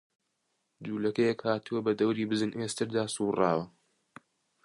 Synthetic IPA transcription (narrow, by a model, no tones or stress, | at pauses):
d̪uːlɐkɐjɛkhaːt̪uwɐbɐd̪ɐwɾiːbɨzɨnʔest̪ɨɾd̪aːsuːrɑ̰ːwɐ